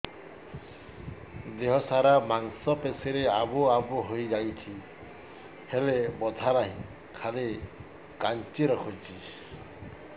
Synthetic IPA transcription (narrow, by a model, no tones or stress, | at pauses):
d̪eɦɔsaɾamaŋsɔpeseɾeabuabuɦojd͡ʒajt̪ʰi | helebɔd̪ʱaɾaɦĩ | kʰale | kant͡ʃiɾɔkʰut͡ʃʰi